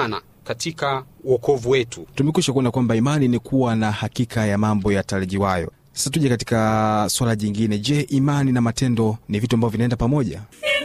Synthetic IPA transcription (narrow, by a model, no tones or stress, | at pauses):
na̰ | katʰikauɔkɔvuwɛtutumɛkuʃakuɔnakwambaimaninikʰuwanahakikajamambɔjatalɛʄiwajɔ̰ | sḁsatuʄɛkati̥kaswalaʄiŋɡinɛʄɛʔimaninamatɛndɔnivituambavɔvinaɛndapamɔʄa̰